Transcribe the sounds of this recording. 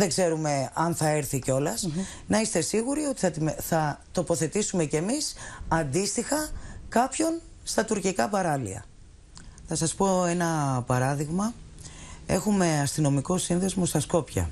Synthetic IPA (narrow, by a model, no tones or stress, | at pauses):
ðeɡze̞ɾume̞ɐnθɐeɾθiceo̞lɐs | nɐist̪e̞siɣuɾio̞t̪i̥θɐt̪iθɐt̪o̞po̞θe̞t̪isume̞ce̞misɐnd̪ist̪ixɐkɐpço̞n | st̪ɐt̪uɾcikɐpɐɾɐlḭɐ̰ | θɐsɐspo̞e̞nɐpɐɾɐðiɣmɐ | e̞̰xume̞ɐst̪ino̞miko̞sinðe̞zmo̞st̪ɐsko̞pçɐ̰